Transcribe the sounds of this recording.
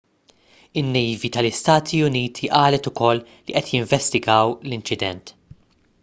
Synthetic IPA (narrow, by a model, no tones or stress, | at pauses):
ɪnːɛvit̪ɐlɪst̪ɐːt̪ʰiʊniːt̪ʰiʔɐːlɛt̪ʊkɔlːiʔɛt̪jɪɱvɛst̪ɪɡɐwlɪnt͡ʃɪd̪ɛ̰nt̪